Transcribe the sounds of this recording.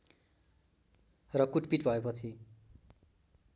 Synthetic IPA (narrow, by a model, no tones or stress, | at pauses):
rʌkuʈpiʈbʱʌepʌt͡sʰi